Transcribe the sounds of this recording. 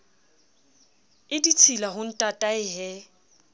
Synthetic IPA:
ɪdit͡sʰilaɦʊn̩tʼatʼaɪɦɛ

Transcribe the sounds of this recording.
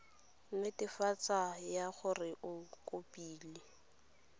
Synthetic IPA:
m̩mɪtʼɪfat͡sajaχʊrɪʔʊkʼopʼiːlɪ

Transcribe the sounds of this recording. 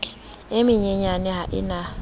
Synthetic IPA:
emiɲeɲanɪɦaʔɪ̰na

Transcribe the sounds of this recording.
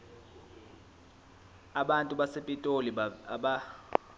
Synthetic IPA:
aɓantʼuɓasepʼitʼoliɓa

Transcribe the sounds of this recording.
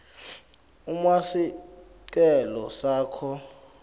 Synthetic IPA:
umasi | k̬ʼɛlɔsaːkʰɔ

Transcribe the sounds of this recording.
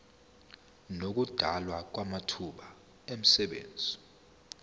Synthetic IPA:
nok̬ud̥ʱalwak̬wamatʰuɓa | em̩sɛɓḛːnd͡zʱi

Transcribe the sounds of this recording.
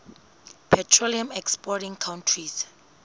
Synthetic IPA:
pʰɛtʰɹoliamɛkspɔtĩŋkʰawntʰris

